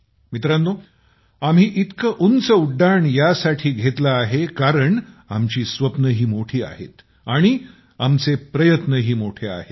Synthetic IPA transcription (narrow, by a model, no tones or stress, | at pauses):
mit̪ɾanːo | am̤ɦiːʔit̪kəʔunt͡səuɖːaɳjasaʈʰiːɡʱet̪laːɦekaɾəɳamt͡ɕiːsʋəpnəɦiːmoʈʰiːa̰ɦḛt̪ | aɽ̃i | amt͡sepɾəjət̪nəɦiːmoʈʰea̰ɦe